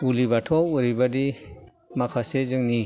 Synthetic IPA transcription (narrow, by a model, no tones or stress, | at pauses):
ulibatʰɔwuɾibadi | makʰasezɯŋni